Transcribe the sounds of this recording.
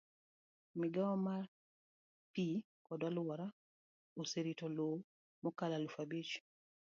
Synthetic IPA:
mɪɡaɔmar | pi | kɔdalwɔɾa | oseɾitɔlo | mɔkalalufabit͡ʃ

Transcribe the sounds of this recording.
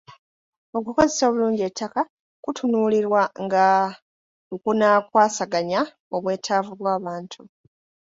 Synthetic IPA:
o̞kuko̞zeso̞ːβuluːɲɟie̞tːaka | kutʰunuːliɾwaŋɡa | okunakwaːsaɡaɲa | o̞βwe̞ːtʰaːvuβwaːβaːntʰu

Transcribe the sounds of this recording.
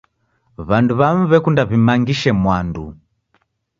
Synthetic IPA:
βanduβam̩βɛkundaβimaŋɡiʃɛmwandṵ

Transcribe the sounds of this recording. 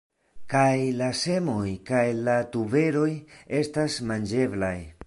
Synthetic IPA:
kajlase̞mo̞jkajlatube̞ɾo̞je̞stasmand͡ʒe̞blaj

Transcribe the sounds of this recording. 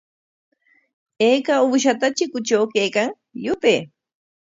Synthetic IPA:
ejkauːʃ̬at̪at͡ʃɪkʊt͡ʃawkejkaŋ | jʊpeː

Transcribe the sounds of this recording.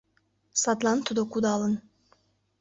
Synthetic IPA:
sɑt̪lˠɑnt̪ʰud̪okud̪ɑːlˠɯn

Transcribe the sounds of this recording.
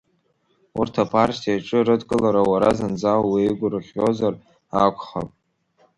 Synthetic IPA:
urtʰapʰartʰiaʈ͡ʂʼɨɾɨdkʼɨlaɾawaɾazand͡zawwiiɡʷʊrɨχʲo̞zar | akʷʰʼχa̰pʼ

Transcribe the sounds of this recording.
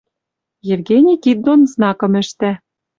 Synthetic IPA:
jevɡenʲikit̪̚d̪onznɑkɤ̆mɘ̆ʃt̪æ

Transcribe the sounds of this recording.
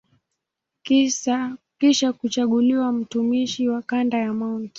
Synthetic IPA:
kiʃakut͡ʃaɠuliwam̩tumiʃiwakandajamaunt

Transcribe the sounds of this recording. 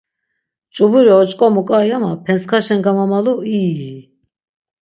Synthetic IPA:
t͡ʃʼubuɾiɔt͡ʃʼkʼɔmukʼajamapʰɛnskʰaʃɛnɡamamalui

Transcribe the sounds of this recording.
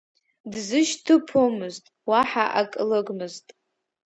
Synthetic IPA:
dzɨʃtʰɨpʰomɨztʼwaħaʔakʼlɨɡmɨztʼ

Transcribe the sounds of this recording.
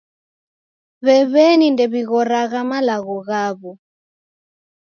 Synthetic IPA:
βɛβɛnindɛβiɣɔɾaɣamalaɣɔɣaβɔ

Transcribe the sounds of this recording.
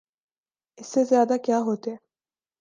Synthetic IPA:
esezjaːd̪akaɦot̪e

